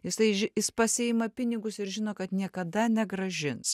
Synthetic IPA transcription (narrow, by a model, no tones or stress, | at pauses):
jɪsɐɪɪspɐsʲɪɪmɐpʲɪnʲɪɡʊsɪɾʒʲɪnoːkɐt̪nʲiɛkɐd̪ɐnʲɛɡɾɐʒʲɪns